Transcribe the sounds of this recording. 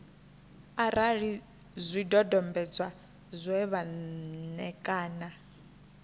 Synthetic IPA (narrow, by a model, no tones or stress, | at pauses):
aɾaɾi | zʷidɔdɔmbɛd͡zwa | zʷwɛβanɛkʼaːna